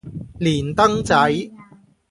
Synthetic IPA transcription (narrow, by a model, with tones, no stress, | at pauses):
liː˨˩nt̪ɐ˥ŋt͡sɐ˨˥j